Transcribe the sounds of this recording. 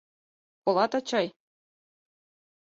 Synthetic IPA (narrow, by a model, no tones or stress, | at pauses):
kolˠɑt̪ɑt͡ɕɑj